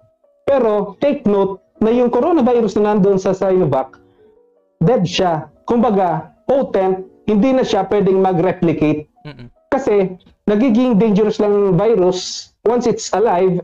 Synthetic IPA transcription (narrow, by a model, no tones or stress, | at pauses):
pɛɾo̞t̪ejk̚nowt̪̚ | nɐjʊŋkoɾo̞nɐvajɾʊsnɐnɐnd̪oʔonsɐsajlovak̚ | d̪ɛd̪ʃakʊmbɐɡapowt̪ɛnt̪̚hɪnd̪inɐʃapwɛd̪ɛŋmɐɡɾɛplɪkejt̪̚ | kɐsɛ | nɐɡiɡɪŋd̪ejnd͡ʒɛɾɛslɐŋvajɾʊswansɪt̪sɐlajv